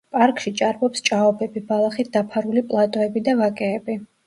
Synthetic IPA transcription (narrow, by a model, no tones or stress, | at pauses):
pʼaɾkʼʃit͡ʃʼaɾbɔpst͡ʃʼaɔbɛbibalˠaχit̪ʰd̪apʰaɾulipʼlˠat̪ʼɔɛbid̪avakʼɛːbi